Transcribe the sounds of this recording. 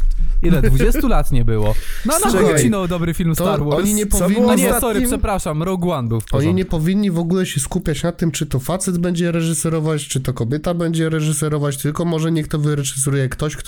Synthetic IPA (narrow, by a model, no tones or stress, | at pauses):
ilɛd̪vud͡ʑɛsulat̪ɲɛbɘwɔnɔnɔinɔwd̪ɔbɾɘfʲilmst̪ɔaɾwɔɔɲiɲɛpɔvviɔɲsɔɾʂɛpɾaʂamɾɔɡwand̪ufɔɲiɲɛpɔvʲiɲːivɔɡulɛɕɛskupʲjat͡ɕnat̪ɘmt͡ʂɘt̪ɔfat̪sɛd̪bɛɲd͡ʑɛɾɛʐɘsɛɾɔvat͡ɕt͡ʂɨt̪ɔkɔbʲjɛt̪abɛɲd͡ʑɛɾɛʐɘsɛɾɔvat͡ɕt̪ɘlkɔmɔʐɛɲɛkt̪ɔvɘɾɛʐɨs̬ɛɾujɛkt̪ɔɕkt̪